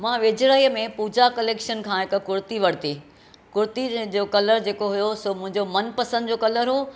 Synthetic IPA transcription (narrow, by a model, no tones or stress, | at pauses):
mãːʋɪd͡ʑɽəɦiːəmẽpuːd͡ʑakɐleːkʃənkʰãːɦɪkkʊɾt̪iʋɐɽ̤t̪i | kʊɾt̪id͡ʑoːkɐləɾd͡ʑeːkoɦʊjosomʊ̃ɦɪ̃ɲd͡ʑomɐnpɐsə̃nd̪d͡ʑoːkɐləɾɦoː